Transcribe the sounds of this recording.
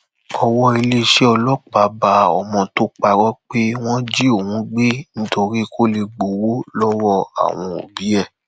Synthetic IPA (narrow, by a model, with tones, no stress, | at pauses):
ɔ˧wɔ˦i˧le˦ʃe˦ɔ˧lɔ˦k͡pa˨˦ba˧˦ɔ̰˧˨mɔ̃˧to˦k͡pa˧ɾɔ˦k͡pe˦w̃ɔ̃˦d͡ʒi˦o˦˨wũ˨˦ɡ͡be˦ñ̩˦to˧ɾi˦kʰo˦le˧ɡ͡bo˨wo˦lɔ˦wɔ˦a̰˨w̃ɔ̃˧o̰˨bi˨˦ɛ˦˨